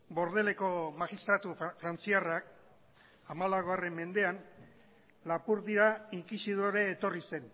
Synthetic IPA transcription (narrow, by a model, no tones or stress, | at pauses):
bo̞ɾðe̞le̞ko̞maxist̪ɾat̪ufɾant͡siarak̚ | amalaɣoare̞mːe̞nd̪e̞an | lapuɾðiɾaiŋkisiðoɾe̞ːt̪o̞rise̞n